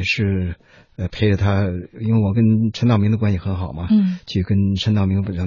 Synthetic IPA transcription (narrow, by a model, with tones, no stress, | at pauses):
ʂɻ̩˥˩ | ə˧pʰe˧˥ɪʈ͡ʂə˧t̪ʰa˥i˥nwe˥˩ɪwɔ˨˩k̬ə˥nʈ͡ʂʰə˧˥nt̪ɑ˥˩ʊmi˧˥ŋd̪ə˧kwa˥nsi˧˩xə˧˥nxɑ˨˩ʊmɐ˦t͡ɕʰy˥˩kə˥nʈ͡ʂʰə˧˥nt̪ɑ˥˩ʊmi˧˥ŋpɑ˥˩